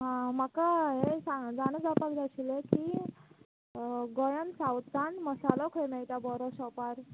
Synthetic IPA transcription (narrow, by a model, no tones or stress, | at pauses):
ɦãm̤akaɦesad͡zanəd͡zapakd͡zaɕileki | ɡɔjənsawt̪aɳmɔsalɔkʰɔjmejt̪abɔɾɔsɔpaɾ